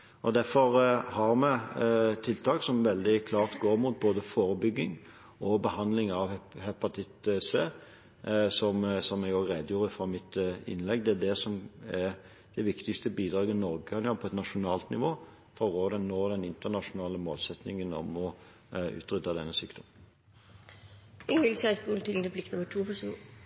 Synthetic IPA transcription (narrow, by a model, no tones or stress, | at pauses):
ɔd̪æɾfɔɾhɑɾmɛt̪ʰɪlt̪ʰɑːksɔmʋɛld̪ɪkʰlɑːʁt̪ɡoːɾmuːt̪̚boːd̪əfoːɾəbʏɡːɪŋ | ɔbəhɑnd̪lɪŋɑʋɛhɛpɑt̪ʰɪt̪seː | sɔmsɔmːɛɡoːɡɾɛːd̪əjuːɾəfɾɑmɪt̪ɪ̰nlɛɡd̪ɛæd̪ɛsɔmæ | d̪̥ɛʋɪkt̪ɪkst̪əbiːd̪ɾɑːɡənɔɾɡəkɑnjɑːpʰɔɛt̪nɑʃʊnɑːlt̪nɪʋoː | fɔʁoːd̪ɛnnoːd̪ɛnɪnt̪ənɑʂʊnɑːləmoːlsɛt̪nɪŋənɔ̰mɔ | ʉ̰ːt̪ɾʏt̪ːɑd̪ɛnːəsyːkd̪̥ɔmən | ɪŋɪlsæɡuːlt̪ʰɪlɛblɪknʊmːəʈ̪ʰuːfɔsṵ